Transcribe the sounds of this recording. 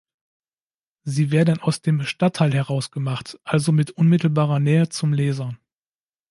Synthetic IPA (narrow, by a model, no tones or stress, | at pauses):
ziːveːɐdn̩aʊsd̥eːmʃtatʰːaɪlɦɛʁ̞aʊsɡ̥əmaχtʔalzomɪtʔʊnmɪtl̩baːʁɐnɛːət͡sʊmlɛːzɐ